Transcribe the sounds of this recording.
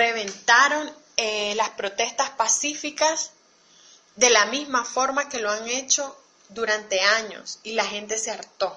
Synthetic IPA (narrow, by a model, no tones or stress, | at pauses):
re̞β̞e̞nt̪aɾo̞ŋ | elaspɾo̞t̪e̞st̪aspasifikas | d̪e̞lamizmafo̞ɾmake̞loaŋe̞t͡ʃo̞ | d̪uɾant̪e̞aɲo̞̰silaxe̞nt̪e̞seaɾt̪o̞